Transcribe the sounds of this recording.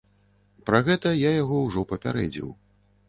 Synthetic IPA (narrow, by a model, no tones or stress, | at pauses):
pɾaɣɛt̪ɐjajaɣɔwʐɔpɐpʲa̰ɾɛ̰d͡zʲḭw